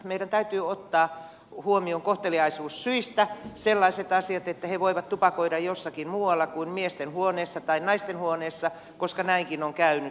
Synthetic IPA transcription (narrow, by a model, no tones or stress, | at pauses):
meiɾænt̪æyt̪yːot̪ːɑː | huomioŋkoht̪eliɑisuːssyist̪æselːɑiset̪ɑsiɑt̪et̪ːæheʋoiʋɑt̪t̪upɑkoidɑjjosːɑkinmuːwɑlːɑkuimmiest̪enhuoneːsːɑt̪ɑinnɑist̪enhuoneːsːɑ | koskɑnæiŋkinoŋkæyny